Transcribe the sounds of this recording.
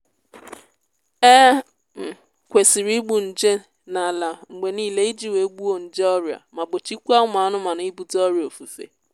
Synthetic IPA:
e˦ | m̩˨ | kʷe˨si˨ɾi˦ɡ͡bu˨n̩˨d͡ʒe˦ | na˨la˨ŋ͡m̩˨ɡ͡be˨niː˦˨le˦i˦d͡ʒi˦we˨˦ɡ͡bu˦o˦n̩˨d͡ʒe˦ɔ˦ɾja̰˨ma˨bo˨t͡ʃi˦kʷu˦a˦ʊ˦ma˨a˦nʊ˦ma˨n˨˦i˦bu˨tɔ˦ɾjo˨fu˨fḛ˨

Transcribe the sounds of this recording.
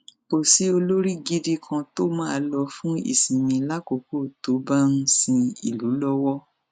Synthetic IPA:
ko˨si˨˦o˧lo˦ɾi˦˨ɡi˦di˦kʰã˧to˦mãː˦a˧lɔ˧fũ˦ḭ˦˨sĩ˨mĩ˧la˦ko˨ko˦˨to˨˦ba˦ñ̩˦sĩ˧ḭ˨lu˨˦lɔ˦wɔ˦

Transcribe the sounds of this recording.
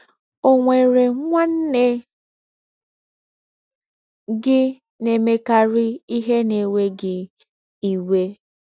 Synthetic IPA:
o˨ŋʷe˨ɾe˨ŋʷa˦n̩˦ne˦ | ɡɪ˦ | ne˨me˨ka˨ɾɪ˦i˦ɦe˦ne˨we˦ɡɪ˨ | i˨we˦

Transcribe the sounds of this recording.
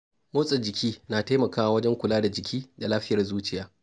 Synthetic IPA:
moː˦sʼɪ˨d͡ʒɪ˨kʲiː˦naː˨ta˦mɐ˨kaː˦wa˨wɐ˦d͡ʒɛ˦ŋkʷʊ˨laː˦da˨d͡ʒɪ˨kʲʰiː˦da˨laː˦ɸɪ˦jɐ˨rzuː˦t͡ʃɪ˦jaː˦

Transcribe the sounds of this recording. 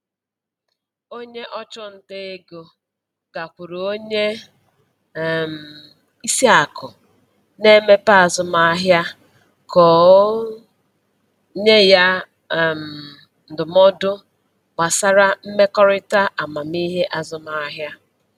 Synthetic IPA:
o˦ɲe˦ʔɔ˦t͡ʃʊ˦n̩˦de˦e˦ɡo˨ | ɡ̥a˨kʷʊ˨ɾo˨o˦ɲe˦˨ | m̩˨ | i˦si˦a˨kʊ˨ | ne˦me˦pa˦a˨zʊ˨ma˦a˦ɦja˦ | kɔ˨˦ | ɲe˦ja˦˨ | m̩˨ | n̩˨dʊ˨mɔ˦dʊ˦ | ɡ͡ba˨sa˦ɾa˦m̩˦me˦kɔ˦ɾɪ˦ta˦ʔa˨ma˨mi˦ɦe˦ʔa˦zʊ˨ma˦a˦ɦja˦

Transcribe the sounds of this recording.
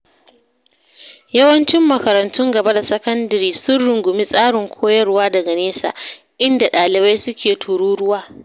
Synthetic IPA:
jɐ˦wɐ˦nt͡ʃɪ˦mːɐ˨kɐ˨ɾɐ˨ntʊ˦ŋɡɐ˨ba˦da˨sɐ˦kɐ˦ndɐ˨ɾiː˦sʊ˦rɽʊ˨ŋɡʷʊ˨mi˦sʼaː˦ɽɪ˨ŋkʷʰoː˦jɐ˦rwaː˦dɐ˨ɡa˨neː˦sa̰ː˨ | ʔɪ˦nda˨ɗaː˨lɪ˨ba˦jsʊ˦kʲeː˨tʰuː˨ɽuː˦ɽʊ˦waː˦

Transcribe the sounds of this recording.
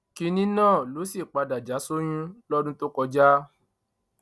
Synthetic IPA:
ki˧nĩ˦nãː˦˨lo˨˦si˦˨k͡pa˧da˨d͡ʒa˨˦so˦j̃ĩ˦lɔ˦dũ˦to˦kɔ˧d͡ʒa˦

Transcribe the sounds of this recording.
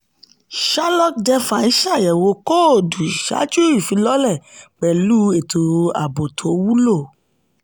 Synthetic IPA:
ʃa˦lɔ˦k̚dɛ˧fa˨i˦ʃa˦˨jɛ˨wo˧ko˦o˨du˨i˨ʃa̰˨˦d͡ʒu˦ɾi˦˨fĩ˧˦lɔ˦lɛ˦˨k͡pɛ˨lu˦e˨tʰo˨a̰˨bo˨tʰo˨˦wu˦lo˦˨

